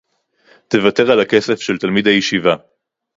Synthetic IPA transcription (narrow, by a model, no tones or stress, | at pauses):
te̞vate̞ʁalake̞sefʃelt̪almid̪ajeʃiva